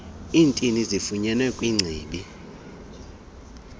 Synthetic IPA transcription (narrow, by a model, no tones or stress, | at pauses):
iːntʼinizifuɲɛnɛkʼwiŋ͡ǀʱiːɓi